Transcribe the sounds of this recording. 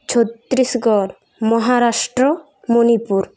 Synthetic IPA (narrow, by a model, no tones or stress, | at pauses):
t͡ʃʰot̪ːɾisɡɔɾ | mɔɦaɾasʈɾɔ | monipuɾ